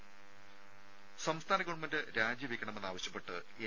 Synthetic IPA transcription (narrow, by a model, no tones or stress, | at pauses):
sɐmst̪ʰaːnɐɣoɳmɐndɨɾaːd͡ʑjɐʋikʲːɐɳɐmenːaːʋɐɕjɐpːe̞ʈːɨ | e